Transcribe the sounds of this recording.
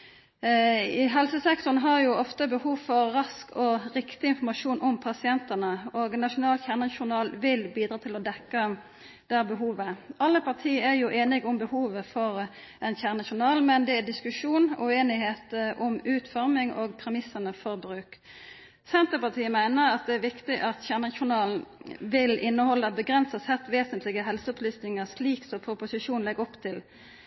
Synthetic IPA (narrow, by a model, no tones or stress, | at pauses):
ɦɛlsəsɛkt̪ɔnɦɑɾjʊɔft̪əbəhuːʋfɔʁːɑskʰɔʁɪkt̪ɪɪnfɔmɑʂuːnʔɔmpʰɑsɪɛnt̪ənəoːɡnɑʂʊnɑːlçæʁnəʃʊnɑːlʋɪlbiːd̪ɾʁɑːt̪ʰɪlɔd̪ɛkːə | d̪̥æbəɦuːʋəɑlːəpɑʁt̪ʰiːəæɾjʊʔeːnɪɡʊmbəhuːʋəfɔɾ | ɛnçæːʁnɑʃʊnɑːlmɛnd̪ɛæd̪ɪskʉʂuːnʉ̰eːnɪheːt̪ʔɔmʉːt̪fɔʁmɪŋʔoːɡpʰɾɛmɪsːənəfɔɾbɾʉːk | sɛnt̪əpɑʁt̪ʰiːəmæɪnəɾɑt̪̚d̪ɛæɾʋɪkt̪ɪʔɑt̪çæːʁnɑʃʊnɑːln̩ʋɪlʔɪnːəhɔlːəbəɡʁɛnsəsɛt̪ʋeːsənt̪lɪɡəɦɛlsəɔplyːsnɪŋəʂliːksɔpʰɾʊpʊsɪʂuːnnlɛɡɔpt̪ʰɪl